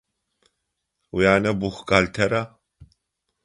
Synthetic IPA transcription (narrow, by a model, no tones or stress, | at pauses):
ujaːnɛbuxɡalt̪ʰɛɾa